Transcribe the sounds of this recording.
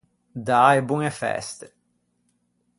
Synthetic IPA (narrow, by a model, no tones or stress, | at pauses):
d̪aebuŋefɛ̰st̪e̥